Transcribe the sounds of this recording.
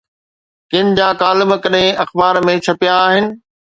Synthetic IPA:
kɪ̃nd͡ʑãːkaːlɪməkɐɗɦẽɐxbaːɾmẽt͡ɕʰɐpjaːɦɪnɪ̆

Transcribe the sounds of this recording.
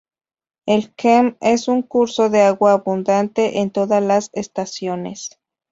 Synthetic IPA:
elkemesuŋkuɾsoðeaɣwaːβund̪ant̪eʔent̪oðalasest̪asjonḛs

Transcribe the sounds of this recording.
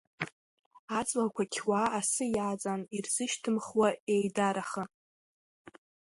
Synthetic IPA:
at͡sʼlakʷʰakʲʰwaasɨjaːt͡sʼanirz̥ɨʃtʰɨmχwaejdaɾaχə

